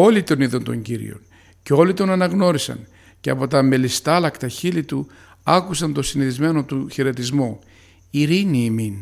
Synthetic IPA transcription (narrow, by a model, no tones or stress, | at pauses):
o̞lit̪o̞niðont̪o̞̰ɲɟiɾḭo̞̰n | ceo̞lit̪o̞nɐnɐɣno̞ɾisɐ̰n | ceɐpo̞t̪ɐme̞list̪ɐlɐkt̪ɐçilit̪u | ɐkusɐnt̪o̞siniθizme̞no̞t̪uçeɾe̞t̪izmu | iɾiniːmin